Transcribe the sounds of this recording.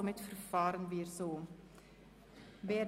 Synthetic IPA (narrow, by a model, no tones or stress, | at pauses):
mɛtfərfɑːɾənviərsoː | vɛː